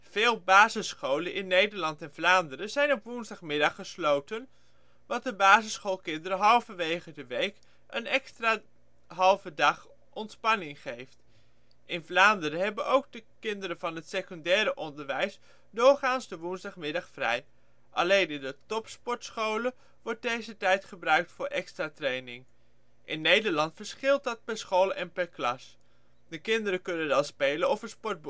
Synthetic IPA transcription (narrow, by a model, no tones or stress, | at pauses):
v̥ɪːlˠbaːzəsχowlənʔɪnːejdəɹlɑntɛnvlaːndəɾəzɛjnɔpʋunzdɑχmɪdɑχːəslowtən | ʋɑt̚dəbaːzəsχowlˠkɪndəɾəɦɑlˠvəʋejχədəʋejk | ʔənɛkstraː | ɦɑlˠvədɑχ | ʔɔntspɑnɪŋχejft | ɪnvlaːndəɾəɦɛbənʔowɡ̚dəkɪndəɾəvɑnɦətsekɔndɛːɾəʔɔndəɹʋɛjs | dʊːɹχaːnzdəʋunzdɑχmɪdɑχfrɛ̰j | ʔɑ̰lejnɪndətɔpspɔɹtsχowlə | ʋɔɹt̚dejzətɛjtχəbrœɥk̚tfʊːɹʔɛkstraːtrejnɪŋ | ʔɪnːejdəɹlɑntfəɹsχɪlˠt̚dɑt̚pɛɹsχowlɛnpɛɹklɑs | dəkɪndəɾəkɵnənʋɛlˠspejlənɔfəspɔɹt̚b